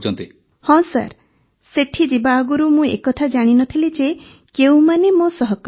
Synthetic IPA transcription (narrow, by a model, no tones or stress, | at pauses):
t͡ʃʰɔnt̪i | hɔ̃sa̰ɾ | seʈʰid͡ʒibaːɡuɾumũekɔt̪ʰad͡ʒaɽ̃inɔt̪ʰilid͡ʒe | keũmanemosɔɦɔkɔ